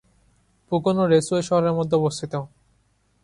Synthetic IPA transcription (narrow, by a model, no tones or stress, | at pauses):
pukonoɾesueʃɔɦoɾeɾmɔd̪ʱeobost̪ʰit̪eo